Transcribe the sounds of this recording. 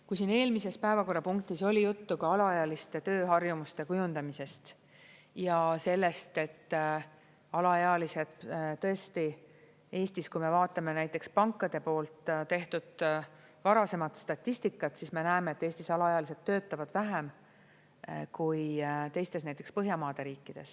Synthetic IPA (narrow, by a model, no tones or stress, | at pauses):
kujsine̞ːlmise̞spæe̞vɑko̞rːɑpuŋk̚t̪iso̞lʲijut̪ːukɑɑlɑɑjɑlist̪e̞t̪ø̞ːɦɑrjumust̪e̞kujund̪ɑmise̞st̪ | jɑse̞lːe̞st̪e̞t̪ː | ɑlɑeɑlise̞d̪t̪ɤ̞est̪i | e̞ːst̪iskujme̞vɑːt̪ːˑɑme̞næjt̪ːˑe̞kspɑŋkːˑɑd̪̥e̞po̞ːlt̪ˑt̪e̞ht̪ud̪̥ | vɑɾɑse̞mɑt̪st̪ɑt̪ʲːˑist̪ikːˑɑt̪sisme̞næeme̞et̪ːˑe̞ːst̪isɑlɑeɑliset̪ːøːt̪ːˑɑvɑd̪̥væɦem | kujt̪e̞jst̪e̞snæjt̪ːˑekspɤɦjɑmɑːd̪̥e̞ɾiːkːid̪̥e̞s